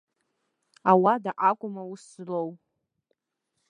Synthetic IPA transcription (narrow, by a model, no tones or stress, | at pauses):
awadaʔakʷʼʊmawʊslow